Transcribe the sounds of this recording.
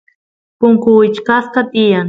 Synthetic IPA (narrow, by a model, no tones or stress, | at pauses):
pʊŋkʊwɪt͡ʃkaskat̪ɪjaŋ